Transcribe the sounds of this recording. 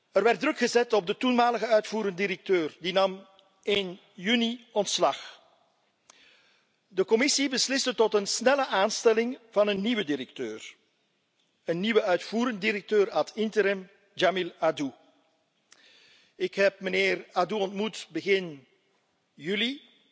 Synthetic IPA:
ərʋɛrdrɵkχəzɛtɔb̚dətunmaːləɣəœɥtfuːɾəndiɾək̚tøːrdinɑm | ɪn | jyniɔntslɑx | dəkɔmɪsibəslɪstətɔtənsnɛləʔaːnstɛlɪŋvɑnənːiʋədirək̚tøːr | ənːiʋəœɥtfuːɾəndiɾək̚tøːɾaːtʰɪntəɾɛm | d͡ʒamiladu | ɪkɦɛpməneːraduɔntmutbəɣɪn | jyli

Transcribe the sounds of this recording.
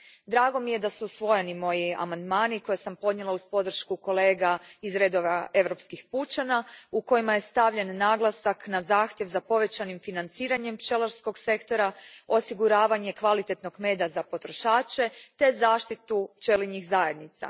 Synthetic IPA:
d̪ɾaːɡo̞mije̞d̪asusʋo̞je̞nimo̞jia̰mand̪maːniko̞jesampo̞d̪ɲelˠauspo̞d̪r̩ʃkuko̞le̞ːɡaizɾe̞d̪o̞ʋaʔe̞ʋɾo̞pskixput͡ʃanauko̞jimaje̞st̪aʋʎe̞nːaːɡlˠasaknazaːxt̪je̞ʋzapo̞ʋe̞t͡ɕanimfinant̪siːɾaɲe̞mpt͡ʃelaɾsko̞ɡse̞kt̪o̞ɾao̞siɡuɾaːʋaɲe̞kʋalit̪e̞t̪no̞ɡme̞ːd̪azapo̞t̪ɾo̞ʃaːt͡ʃe̞t̪e̞zaːʃt̪it̪ut͡ʃe̞liɲixzaje̞d̪nit̪sa̰

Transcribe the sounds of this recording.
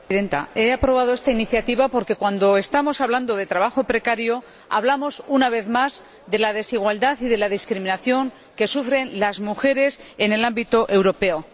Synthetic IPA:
ðe̞nt̪a̰e̞apɾo̞β̞að̞o̞e̞st̪ainiθjat̪iβapo̞ɾke̞kwand̪o̞e̞st̪amo̞saβland̪o̞ðe̞t̪ɾaβaxo̞pɾe̞kaɾjo | a̰β̞lamo̞sunaβ̞e̞θmaz | ðe̞lað̞e̞siɣ̞wald̪aθiðe̞laðiskɾimĩnaθjo̞ŋ | ke̞sufɾe̞nlazmuxe̞ɾe̞se̞ne̞lambit̪oʔe̞wɾo̞pe̞o̞

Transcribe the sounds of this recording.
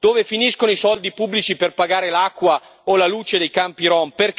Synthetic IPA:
d̪̥oːvefiniskonoisɔld̪ipubːlit͡ʃiperpaɡaːɾelakːwa | olaluːt͡ʃed̪ejkampiɾɔmperk

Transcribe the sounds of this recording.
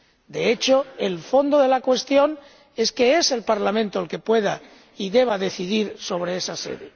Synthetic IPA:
d̪e̞e̞t͡ʃo̞e̞lfo̞nd̪o̞ðe̞lakwe̞st̪jo̞n | e̞ske̞e̞se̞lpaɾlamẽnt̪oalke̞pwe̞ða | iðe̞β̞aðe̞θiðiɾso̞βɾe̞esase̞̰ðe

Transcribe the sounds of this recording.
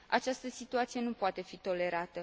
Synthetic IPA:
a̰t͡ʃast̪əsit̪uat̪sije̞nupoat̪e̞fit̪o̞le̞ɾat̪ə

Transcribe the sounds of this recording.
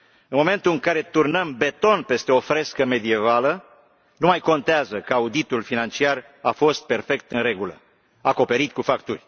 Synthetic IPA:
ɨnmo̞me̞nt̪ulɨŋkaɾe̞t̪urnəmbe̞t̪o̞npe̞st̪eo̞fɾeskəme̞d̪ie̞valə | numajko̞nt̪eazəkəaud̪it̪ulfinant͡ʃiar | afo̞st̪̚pe̞rfe̞k̚t̪ɨnɾre̞ɡulə̰ | ako̞pe̞ɾit̪̚kufakt̪urʲ

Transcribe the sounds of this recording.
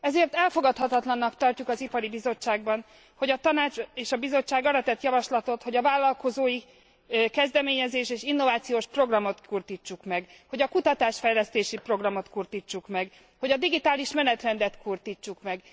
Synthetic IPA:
ɛzeːrt̪ɛlfo̞ɡɒt̪hɒt̪ɒt̪lɒnːɒkt̪ɒrcukɒzipɒɾibizo̞t͡ʃːaːɡbɒn | ho̞ɟɒt̪ɒnaːt͡ʃeːʃɒbizo̞t͡ʃːaːɡɒɾɒt̪ɛt̪jɒvɒʃlɒt̪o̞t̪ho̞ɟɒvaːlːɒlko̞zoːji | kɛzd̪ɛmeːɲɛzeːʃeːʃinːo̞vaːt̪sijoːʃpro̞ɡrɒmo̞t̪kurt̪it͡ʃːukmɛɡho̞ɟɒkut̪ɒt̪aːʃfɛjlɛst̪eːʃipro̞ɡrɒmo̞t̪kurt̪it͡ʃːukmɛɡ | ho̞ɟɒd̪iɡit̪aːliʃmɛnɛt̪rɛnd̪ɛt̪kurt̪it͡ʃːukmɛɡ

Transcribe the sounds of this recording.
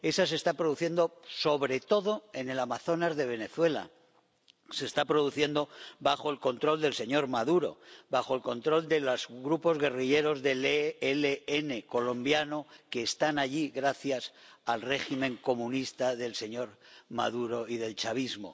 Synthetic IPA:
e̞sase̞st̪apɾoðuθje̞nd̪o̞so̞βɾe̞t̪o̞ðo̞e̞ne̞lamaθo̞nazðe̞β̞e̞ne̞θwe̞la̰ | se̞ːst̪apɾo̞ðuθje̞nd̪o̞βaxo̞elko̞nt̪ɾo̞ld̪e̞lse̞ɲo̞ɾmaðuɾo̞̰baxo̞elko̞nt̪ɾo̞ld̪elozɣɾupo̞zɣe̞riʎe̞ɾo̞zðe̞leeleene̞ko̞lõ̞mbjano̞ke̞ːst̪anaʎiɣɾaθjasalre̞ximẽ̞ŋko̞mũnist̪aðe̞lse̞ɲo̞ɾma̰ðuɾo̞iðe̞lt͡ʃaβ̞izmo̞̰

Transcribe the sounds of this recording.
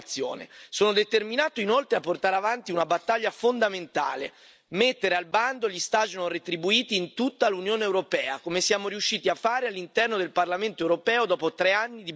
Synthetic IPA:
t̪sːjo̰ːnḛsoːnod̪et̪erminaːt̪oinolt̪ɾeapːort̪aːɾeavant̪iunabat̪ːaʎːafond̪ament̪a̰ːle | met̪ːeɾealband̪oʎist̪ad͡ʒnoret̪ɾibuiːt̪iːnt̪ut̪ːalunjoːneːwɾopɛːakomesjaːmoɾiuʃːiːt̪iafːaːɾealːint̪ɛrnod̪elparlament̪oɛwɾopɛːod̪ɔːpot̪ɾeanːid̪i

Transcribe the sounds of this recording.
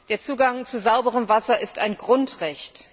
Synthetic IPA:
d̥eːɐt͡suːɡaŋt͡suzaʊbəʁəmvasɐʔɪstaɪnɡʁʊntʁɛçt

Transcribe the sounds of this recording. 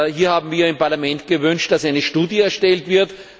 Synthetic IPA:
hiːɐhaːbm̩viːɐɪmpaɐlamɛntɡ̥əvʏnʃtd̥asæɪnəʃtuːdjəɛɐʃtɛltv̥ɪɐt

